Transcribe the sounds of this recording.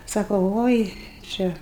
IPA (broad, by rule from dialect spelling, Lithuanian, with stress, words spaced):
ˈsɑːkoː ˈʋoːɪ ˈt͡ʃʲɛ